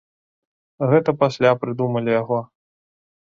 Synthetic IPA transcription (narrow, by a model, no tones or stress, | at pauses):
ɣɛt̪ɐpasʲlʲapɾɨd̪umɐlʲijaɣɔ